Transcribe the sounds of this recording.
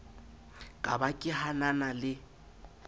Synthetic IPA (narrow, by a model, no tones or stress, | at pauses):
kʼa̰bakʼɪhananalɪ